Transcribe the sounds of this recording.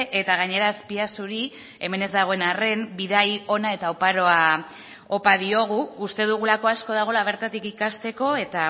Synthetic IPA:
ʔe̞t̪aɣ̞aɲe̞ɾaespiasuɾi | e̞me̞ne̞zd̪aɣ̞o̞e̞nare̞mbiðajo̞nae̞t̪aopaɾo̞a | o̞paðio̞ɣ̞uːst̪e̞ðuɣ̞ulako̞asko̞ð̞aɣ̞o̞laβ̞e̞ɾt̪at̪ikikast̪e̞ko̞e̞t̪a

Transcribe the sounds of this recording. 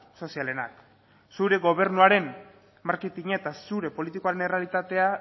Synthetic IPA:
so̞siale̞na̰k | suɾe̞ɣo̞β̞e̞ɾnuaɾe̞m | maɾket̪iɲaet̪asuɾe̞po̞lit̪ikoaɾe̞nere̞alit̪at̪e̞a

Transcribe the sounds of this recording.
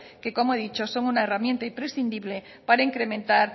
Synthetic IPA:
ke̞ko̞moeðit͡ʃoso̞ŋunaeramje̞nt̪aimpɾe̞sθind̪iβle̞ | paɾaiŋkɾe̞mẽ̞nt̪aɾ

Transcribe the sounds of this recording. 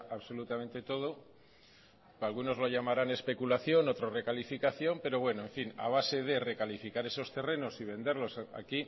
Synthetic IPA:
aβso̞lut̪amẽnt̪e̞t̪o̞ð̞o̞ | alɣuno̞zlo̞ʎamaɾane̞spe̞kulaθjonot̪ɾore̞kalifikaθjo̞mpe̞ɾo̞βwe̞noeɱfina̰β̞ase̞ð̞e̞re̞kalifikaɾe̞so̞st̪e̞re̞no̞siβ̞e̞nd̪e̞ɾlo̞sa̰ki

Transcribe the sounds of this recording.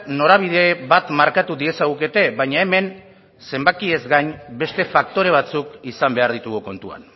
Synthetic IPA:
no̞ɾaβ̞iðe̞βat̪maɾkat̪uðie̞saɣuke̞t̪e̞βaɲae̞me̞n | se̞mbakie̞zɡaɲbe̞st̪e̞fak̚t̪o̞ɾe̞β̞at͡sukisambe̞aɾðit̪uɣuko̞nt̪ua̰n

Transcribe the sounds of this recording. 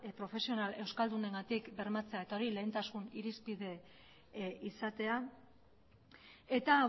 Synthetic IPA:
pɾo̞fe̞sio̞nale̞wskald̪uneŋɡat̪ikbe̞ɾmat͡se̞ae̞t̪ao̞ɾile̞ːnt̪asuniɾispið̞e̞ | isat̪e̞a | e̞t̪a

